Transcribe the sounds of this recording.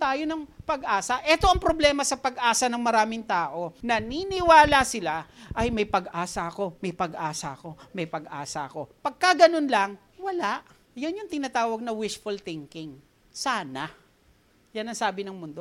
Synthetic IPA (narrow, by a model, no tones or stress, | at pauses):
t̪aːjonɐŋpɐɡʔaːsɐʔɛt̪o̞ʔɐŋpɾoblɛːmɐsɐpɐɡʔaːsɐnɐŋmɐɾaːmɪŋt̪aːʔo̞nɐninɪwaːlɐsɪlaʔɐjmɐjpɐɡʔaːsɐɐko̞mɐjpɐɡʔaːsɐɐko̞mɐjpɐɡʔaːsɐɐkopɐɡ̚kɐɡɐnonlɐŋ | wɐlaʔ | jɐnjʊŋt̪ɪnaːt̪aːwɐɡ̚nɐwɪʃfʊlt̪ɪŋkɪŋ | saːnɐ | jɐnɐŋsaːbɪnɐŋmʊnd̪o